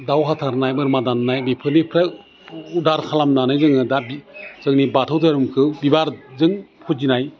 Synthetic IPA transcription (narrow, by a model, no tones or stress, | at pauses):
dawɦatʰaɾnajmɯɾmadanːajbipʰɯnipʰɾa | udaɾkʰalamnanajzɯŋɯdabiz̥ɯŋnibatʰɯwtʰaɾumkʰɯwbibaɾzɯŋpʰut̚d͡ʒinaj